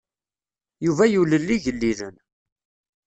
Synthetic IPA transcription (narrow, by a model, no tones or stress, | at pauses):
juvæjuləlːiʝəlːilən